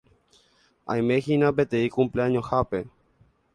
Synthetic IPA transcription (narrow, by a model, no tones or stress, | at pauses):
a̰jmexinapet̪eikumpleaɲõhape